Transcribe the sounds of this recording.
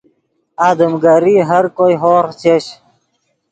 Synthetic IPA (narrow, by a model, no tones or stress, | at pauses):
aːd̪əmɡaɾiːɦɐɾkojɦoːɾt͡ɕʰeɕ